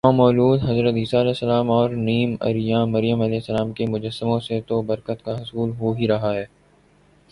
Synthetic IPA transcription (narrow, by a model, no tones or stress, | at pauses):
ãmɔːluːd̪ɦɐzɾət̪ɦiːsaɐlɛːsːəlaːmɔːɾniːmɐ̰ɾɪjãːmɐɾɪjəmɐlɛːɪsːəlaːmkemʊd͡ʒəsːɪmõset̪obɐɾkət̪kaɦʊsuːlɦoɦiɾɐɦaɦɛː